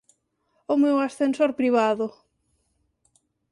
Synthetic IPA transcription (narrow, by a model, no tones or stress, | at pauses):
ʊmewasθensoɾpɾiβ̞aðʊ